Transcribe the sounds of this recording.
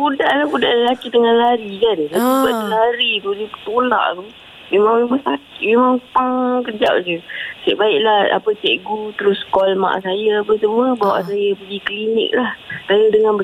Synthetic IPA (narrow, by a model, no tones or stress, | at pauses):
budaʔlabudaʔləlakit̪əŋanlaɾikansaubaʔdalaaɾit̪udipt̪ola̰ʔt̪u | memaŋmemaŋsakiʔmemaŋpaŋkəd͡ʒa̰p̚d͡ʒəsɛ̰ʔbaɪʔlaha̰pət͡ʃɛʔɡut̪əɾʊskɔlma̰ʔsajəabəsəməbawa̰ʔsajəpəɡikəlinɪ̰k̚lahsajədəŋanbə